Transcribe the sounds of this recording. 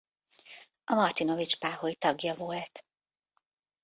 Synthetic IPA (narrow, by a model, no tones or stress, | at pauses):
ʔɒmɒrt̪ino̞vit͡ʃpaːɦoit̪ɒɡjɒvolt̪